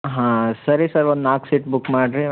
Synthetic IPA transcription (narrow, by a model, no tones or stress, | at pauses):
ɦãsɐɾisɐɾond̪aːksiʈbukːmaːɖɾi